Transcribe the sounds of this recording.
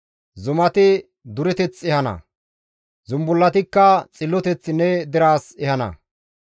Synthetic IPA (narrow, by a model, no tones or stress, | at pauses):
zʊmɐt̪ɪ | d̪ʊɾɛt̪ɛt͡sːɛhɐnɐ̰ | zʊmbʊlːɐt̪ɪkːɐt͡sʼɪlːɔt̪ɛt͡sːnɛd̪ɪɾaːsɛhɐnɐ̰